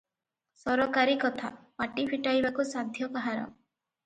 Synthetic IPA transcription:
sɔɾɔkaɾikɔt̪ʰa̰paʈipʰiʈajbakusad̪ʱjɔkaɦaɾɔ̰

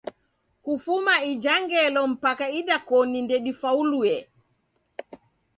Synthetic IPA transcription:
kufumaid͡ʒaŋɡɛlɔm̩pakaiɗakɔnindɛɗifauluɛ

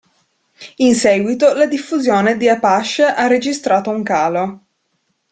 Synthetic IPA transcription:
insɛːɡwit̪olad̪ifːuzjoːned̪iapaʃːeʔarːed͡ʒist̪ɾaːt̪ouŋkaːlo

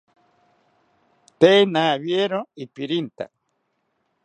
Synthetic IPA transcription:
t̪enaːβjeɾoipiɾint̪a̰

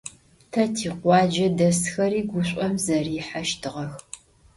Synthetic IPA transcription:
tʰɐtʰiːqʷɑːd͡ʒɐdɐsxɐɾiːɡʷʊɕʷʼɔmzɐriːħaʃtʰɨʁɐx

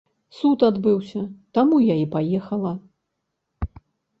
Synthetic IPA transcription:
sut̪ad̪bɨwsʲɐt̪amujaipajɛxɐlˠɐ

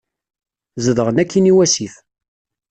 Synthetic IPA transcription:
zəðʁənækʰːiniwæsiθ

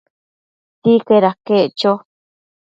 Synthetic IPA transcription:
t̪ikeɾakeʔt͡ʃo

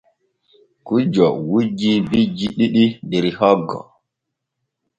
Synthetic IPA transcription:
kud͡ʒɔwud͡ʒibid͡ʒiɗiɗidiɾihɔɡːɔ̰

